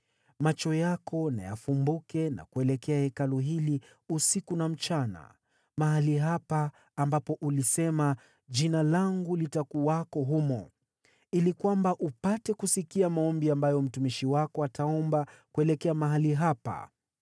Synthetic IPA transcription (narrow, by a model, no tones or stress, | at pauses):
mat͡ʃɔjakʰɔna̰ja̰fumbukɛna̰kuɛlɛkɛahɛkaluɦili | usikunam̩t͡ʃana̰ | maɦaliɦapaː | mbapɔʔulisɛma | ʄinalaŋɡulitakuwakɔɦumɔ | ilikwambaʔupatɛkusikiamaɔmbiambajɔm̩tumiʃiwakɔatʰaɔmbakuɛlɛkɛamaɦaliɦapa̰